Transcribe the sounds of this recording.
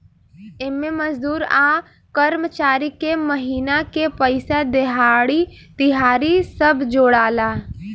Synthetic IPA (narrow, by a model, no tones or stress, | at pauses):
emẽməd͡ʒd̪uːɾaː | kəɾmət͡ʃaːɾikeməɦiːnakepəɪsad̪eɦaːɽi | t̪ɪɦaːɾisəbʱd͡ʒoːɽaːlaː